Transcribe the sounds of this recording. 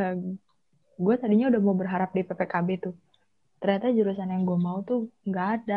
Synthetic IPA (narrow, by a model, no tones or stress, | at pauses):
a | ɡuat̪adiɲaudahmaubərɦaɾap̚dipepekabet̪ʊ | t̪ərɲat̪ad͡ʒuɾus̬anajaŋɡuamaut̪uŋɡada